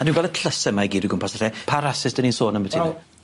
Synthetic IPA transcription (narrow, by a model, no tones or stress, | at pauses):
adĩːnɡalˠətʰləsɛmajɡiːduɡʊmpʰasarɛpʰaɾasɪsd̥əninsoːnəmbətʰiɛ